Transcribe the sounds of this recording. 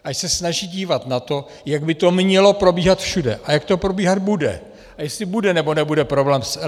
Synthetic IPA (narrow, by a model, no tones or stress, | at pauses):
ʔaʃsɛsnaʒiːɟiːvat̪nat̪o̞ | jaɡbɪt̪o̞mɲɛlo̞pɾo̞biːɦat̪fʃudɛ̰ʔajakt̪o̞pɾo̞biːɦad̪budɛ̰ | ʔajɛsɪbudɛnɛbo̞nɛbudɛpɾo̞blɛːmsɛ